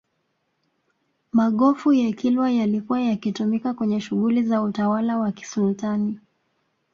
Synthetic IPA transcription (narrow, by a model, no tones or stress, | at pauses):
maɠɔfujakilwajalikuwajakitumikakwɛɲɛʃuɣulizautawalawaki̥sultani